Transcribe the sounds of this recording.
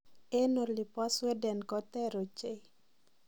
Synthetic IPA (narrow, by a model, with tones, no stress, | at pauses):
e˦no˨li˨pa˦swɛ˦dɛ˨nkɔ˦t̪ɛ˦ɾo˨t͡ʃe˦